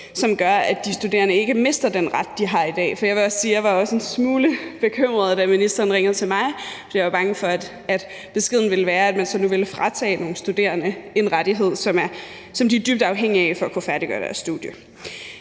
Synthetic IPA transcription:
sɒ̽mɡ̥ɶɐædd̥isd̥ud̥e̝̰ːɐnəe̝ɡ̥əme̝sd̥ɐd̥enʁɑd̥̚d̥iɦɑ̈id̥ɛ̰ːfɒ̽jɑ̈ɪʋe̝ɒ̽ssiːjɑ̈ɪʋɑ̈ɒ̽se̝nsmuːləb̥e̝kʰøm̰ʁɐð̞̩ˠd̥æminisd̥ɐːn̩ʁeŋð̩ˠt͡sʰe̝lmɑ̈ɪfɒ̽d̥ḭjaʋɑ̈b̥ɑ̈ŋəfɒ̽æd̥ | æd̥ | b̥e̝sɡ̥e̝ð̞̰ˠn̩ʋe̝ləʋæːɐæd̥mænsɒ̽nuʋe̝lfʁɑ̈t͡sʰɛ̰ːno̝ːn̩sd̥ud̥e̝̰ːɐnəe̝nʁaɾ̥iɦe̝ð̞̰ˠsɒ̽mæɐ | sɒ̽md̥iæd̥yb̥̚d̥ɑ̈ʊɦeŋ̰iæfɒ̽ækʰufæɐd̥iɡ̥ɶɐd̥æɐsːd̥uð̥ˠjə

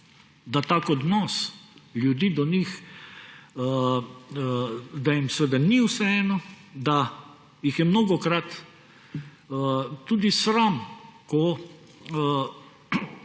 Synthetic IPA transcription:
d̪at̪aːkɔd̪nɔsljud̪iːd̪ɔnix | d̪ajimsɛʋed̪aniwsɛɛːnɔ | d̪a | jixjɛmnoːɡɔkɾat̪ | t̪uːd̪isɾamkɔ

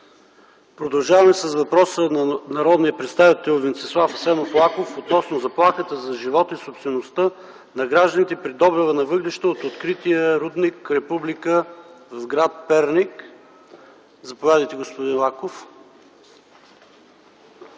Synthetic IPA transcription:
pɾod̪ɐlˠʒavɐmɛsəsvɐpɾɔsənɐnɐɾɔd̪nijəpɾɛt̪st̪avit̪ɛlˠvɛnt̪sɛslˠafsɛnoflˠakofot̪nɔsnozɐplˠaxət̪əzɐʒivɔt̪isopst̪vɛnost̪ə | nɐɡɾaʒd̪ənit̪ɛpɾid̪ɔbɾivənɐvɤɡlɛʃt̪əːt̪ot̪kɾit̪ijəɾud̪nikɾɛpublikəvɐvɡɾat̪̚pɛɾnik | zɐpovʲad̪əjt̪ɛɡospod̪inlˠakof

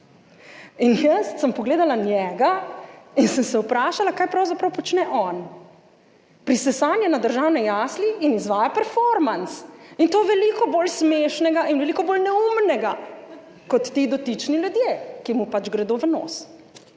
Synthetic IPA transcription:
injəst̪səmpɔɡleːd̪alanjɛɡainsəmsɛupɾaːʃalakaːjpɾawzapɾawpɔt͡ʃnɛʔɔn | pɾisɛsaːnjɛnad̪əɾʒaːwnɛjasliːnizʋaːjapɛɾfɔɾmansint̪oːʋɛlikɔboːlsmeːʃnɛɡaʔinʋɛlikɔboːlnɛumnɛɡa | kɔt̪ːid̪ɔt̪it͡ʃniljud̪jekimupad͡ʒɡɾɛd̪oʋəno̰s

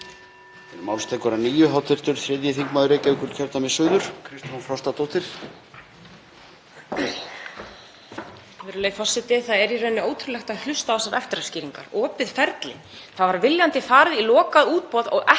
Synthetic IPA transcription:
ɛnmawlst̪ɛkvaɾaniːjʏɦawt̪ʰɪɾ̥t̪ʏɾ̥θɾjɛðjɪθiŋkmaðʏɾecɛɪkʏɾt̪cʰɛɾt̪amɛsʏːðʏɾ̥kʰɾɪst̪fɔnfɾawst̪at̪owht̪ɪɾ̥ | vɪːɾʏleːjfɔ̥sɪt̪ɪθaðɛɾirɛjnːʏoːwt̪ʰɾʏlɛxt̪aðhlʏst̪aɔsaɾɛft̪ɪɾasciːɾiŋkaɾɔːpɪð̥fɛɾt̪lɪ̰ | θaðvaɾvɪljant̪ɪfaːɾɪðilɔːkaðuːt̪̚pɔːðɔɣʔɛ

